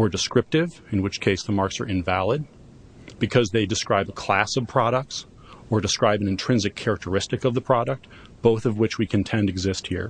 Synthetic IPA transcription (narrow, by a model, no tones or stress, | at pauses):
ə˞dɨskɹɪp̚tɪv | ɨ̃nwɨt͡ʃkʰeɪsðəmɑɹksə̰˞ɨ̃ɱvælˠəd̚ | b̥ɨkʰʌzðeɪdɨskɹaɪbəkʰl̥æsʌv̥pʰɹ̥ɑɾək̚ts | ə˞dɨskɹaɪbɨ̃nɨ̃ntʰɹ̥ɪ̃nzɨkʰɛɹɨk̚tʰə˞ɪstɨkʌvðəpʰɹ̥ɑɾɨk̚t̚ | b̥oʊθʌvwɨt͡ʃwikʰɨ̃ntʰɛ̃ndɨɡzɪst̚hḭɹ